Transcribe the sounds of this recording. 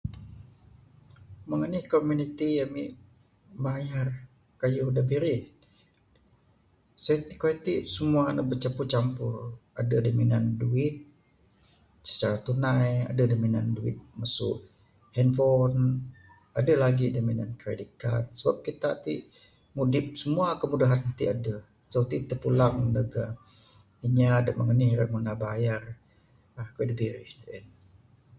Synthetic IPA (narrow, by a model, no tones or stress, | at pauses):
məŋənihkomunit̪ijamiʔ | bajar | kajudabiɾɪh | sat̪ikoɛt̪iʔsəmuaːnabət͡ʃaput͡ʃampʊradadominanduɪt̪̚ | sə̥t͡ʃaɾat̪unaja̰dadominanduɪ̰t̪̚masʊ̰ʔ | hɛnfɔn | adəlaɡidomina̰nkəɾedikansəbap̚kit̪a̰ʔt̪ḭʔ | mudɪp̚səmuakəmudaɦant̪iʔadə | sot̪it̪əpulaŋləɡa | iɲaːdəʔməŋənihɾəmunabajar | ahkedibiɾihdʔɛ̰n